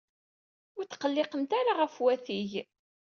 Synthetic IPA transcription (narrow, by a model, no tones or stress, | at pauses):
ʊɾθqəlːɪqənt̪aɾaʁəfwæθiʝ